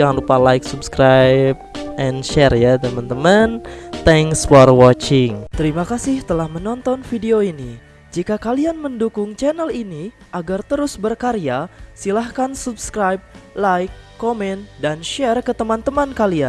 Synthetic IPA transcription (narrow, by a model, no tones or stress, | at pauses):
d͡ʒaŋanrɾupalaɪksubskɾajp̚ɛnʃɛrjat̪əmant̪əmant̪ɛŋsfɔrwɔt͡ʃɪŋt̪əɾimakasɪht̪əlahmənɔnt̪ɔnfideoini | d͡ʒikakalianməndukʊŋt͡ʃɛnəlini | ʔaɡart̪əɾʊsbərkaɾiasilahkansubskɾajb̚lajkːɔmɛnt̪̚danʃɛrkət̪əmant̪əmankalian